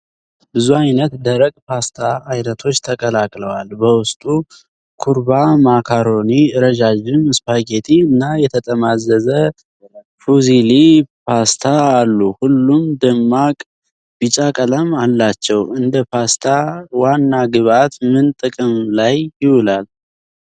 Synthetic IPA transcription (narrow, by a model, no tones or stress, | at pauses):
bɨzuajnət̪d̪əɾəkʼpʰast̪ʰaːjnət̪ʰo̞t͡ʃːt̪ʰəkʼəlakʼləwalbəwʊst̪ʼu | kʰuɾbamakʰaɾo̞niɾəd͡ʒad͡ʒɪmɨspʰaɡet̪ʰiɨnːajɛt̪ʰət̪ʼəmazːəzə | fuzilipʰast̪ʰaːlːuhulːumd̪ɨmːakʼ | b̥it͡ʃʼakʼələmalːat͡ʃːɛwɨnd̪əpʰast̪ʰawanːaɡɨβat̪mɨnt̪ʼɨkʼɨmlajːɪwʊlal